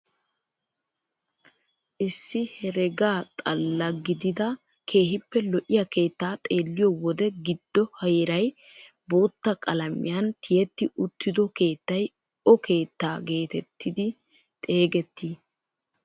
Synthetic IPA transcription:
ʔɪsːɪhɛɾɛɡaːt̪ʼɐlːɐɡɪd̪ɪd̪ɐ | kʰe̞ːhɪpːɛlɔʔɪjɐke̞ːt̪ːaːt̪ʼe̞ːlːɪjɔwɔd̪ɛɡɪd̪̥ːɔhɐjɛɾɐj | bo̞ːt̪ːɐkʼɐlɐmɪ̰jɐnt̪ʰɪjɛt̪ːɪʊt̪ʰːɪd̪ɔke̞ːt̪ːɐj | ɔke̞ːt̪ːaːɡe̞ːt̪ɛt̪ːɪd̪ɪ | t̪ʼe̞ːɡɛt̪ːiː

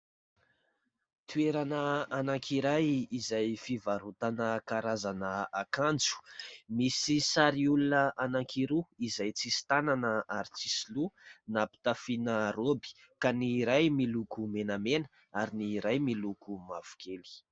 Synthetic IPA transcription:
t̪ueɾanəanaŋkʰiɾajizajfivaɾut̪anəkaɾazanəakand͡zu̥misisaɾiulunəʔanaŋkʰiɾuizajt͡sisi̥t̪ananəaɾit͡sisilunapi̥t̪afinəɾobi̥ | kaniɾajmilukumenamenə̥ | aɾiniɾajmilukumav̥u̥kʰeli̥

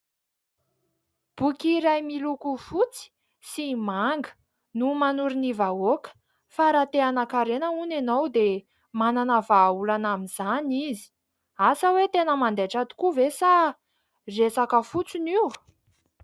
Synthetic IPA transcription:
b̥ukiɾajmilukufut͡si̥ | simaŋɡə̥ | numanuɾinivaokə̥ | faɾat̪eanakaɾenəunenowd̪e | mananəvaulanaminz̥anizi̥ | asəwet̪enəmand̪eʈ͡ʂat̪u̥kuvesa | resakəfut͡siniw

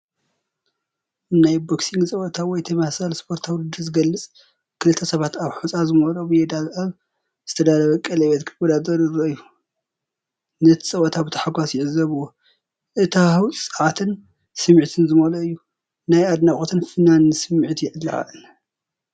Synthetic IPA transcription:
najboksiŋɡsʼɐwɔt̪ʰawɔjt̪ʰɐmahsalspʰo̞ɾt̪ʰawlɨd̪ɨzɨɡɐlːɨt͡sʼ | kʰɨlɨt̪ʰːɐsɐβat̪aβħut͡sʼazɨmolobɨjed̪azʔaβ | z̥ɨt̪ʰɐd̪alɐβɐkʼɐlɐβɛt̪kʰɨbod̪ad̪ɐɾɨɾoɨjːu | nɐt̪ʰi̥sʼɐwɔt̪ʰabɨt̪ʰɐ̥ħaɡʷasjɪʕɨzɐβuwo | ʔɨt̪ʰawʼsʼɐʕat̪ʰɨn | sɨmʕt̪ʰɨnzɨmoloɨjːu | najad̪nakʼot̪ʰɨnfɨnanɨsɨmʕit̪jɪʕɨlːa̰ʕa̰ʔɨn

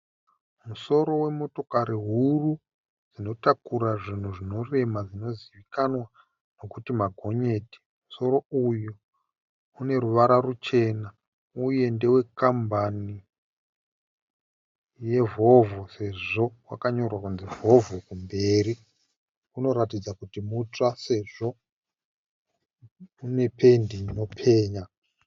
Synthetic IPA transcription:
muso̞ɾo̞we̞mo̞to̞kaɾiɦuru | d͡zino̞takuɾaʐin̤uʐino̞re̞mad͡zino̞ziʋikanwa | no̞kutimaɡʱo̞ɲe̞ːti̥ | muso̞ɾo̞ujuː | ne̞ruʋaɾarut͡ʃe̞na | uje̞ndewe̞kambani | je̞vo̞vuse̞ʐo̞wa̰kaɲo̞rwakunzivo̞vukumbe̞ːɾi | uno̞ɾatid͡zakutimutase̞ʐo̞ | une̞pʰe̞ndino̞pʰe̞ːɲa

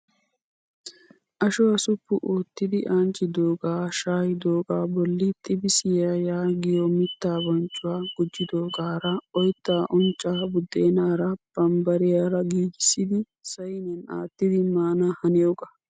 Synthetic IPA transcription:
ʔɐʃʊwɐsʊpːʊʔoːt̪ːɪd̪ɪʔaːnt͡ʃʼːɪd̪oːɡaːʃaːjɪd̪o̞ːɡaːbɔlːɪt̪ʼɪbɪsɪjaːjaːɡɪjɔmɪt̪ːaːbɔnt͡ʃʼːʊwaːɡ̥ʊd͡ʒːɪd̪oːɡaːɾɐɔjt̪ːaːʔɔnt͡ʃʼːaːbʊd̪ːeːnaːɾɐb̥ɐmbɐɾɪjaːɾɐɡiːd͡ʒɪsːɪd̪ɪ | sɐjnɛna̰ːt̪ːɪd̪ɪmaːnahɐnɪjoɡɐ

